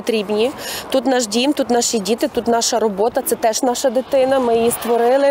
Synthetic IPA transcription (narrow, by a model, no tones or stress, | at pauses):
ɔt̪ɾʲibnʲit̪ut̪nɑʃdʲint̪ut̪nɑʃʲidʲit̪ɪt̪ut̪nɑʃɐɾɔbɔt̪ɐt̪sɛt̪ɛʒnɑʃɐd̪ɪt̪ɪnɐmɪjjist̪ʋɔɾɪlˠɪ